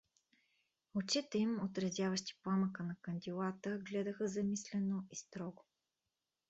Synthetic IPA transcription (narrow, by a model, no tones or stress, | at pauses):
ot͡ʃit̪ɛimot̪ɾɐzʲjavəʃt̪i̥pˠaməkənɐkənd̪ʲilˠat̪əɡlɛd̪əxəzɐmislɛnoist̪ɾɔɡʊ